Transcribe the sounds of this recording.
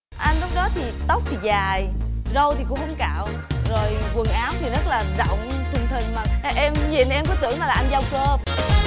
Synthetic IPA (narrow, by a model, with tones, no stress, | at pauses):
ʔa˧jŋ̟lʊ˨˦˥k͡p̚ɗɔ˨˦t̪ʰi˨˩t̪ə˦˥wk͡p̚t̪ʰi˨˩zaː˨˩jzə˧wt̪i˨˩ku˧˥hə˧wŋ͡mkaː˧˨w | zo˨˩jvɨ˨˩ŋʔaː˨˦wt̪ʰi˨˩zə˦˥t̚laː˨˩zɔ̰˧˨wŋ͡mt̪ʰɨ˨˩ŋt̪ʰï˨˩ŋ̟maː˨˩˧ʔɛ˧mɲi˨˩nʔɛ˧mkɔ˨˦tɨ̰˧˥əŋmaː˨˩laː˨˩ʔa˧nza˧wkəː˧